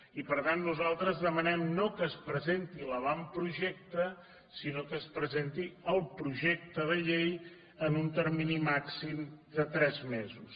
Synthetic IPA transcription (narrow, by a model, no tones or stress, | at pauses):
ipəɾt̪anːuzalˠt̪ɾəzðəmənɛmnokəːspɾəzent̪iləβampɾuʒɛk̚t̪ə | sinokəːspɾəzent̪iəlˠpɾuʒek̚t̪əðəʎej | ənunt̪əɾminimaksimd̪ət̪ɾɛzmezus